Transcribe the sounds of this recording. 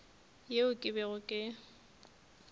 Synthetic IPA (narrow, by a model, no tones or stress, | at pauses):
jeʊkʼɪbɛɣʊkʼɪ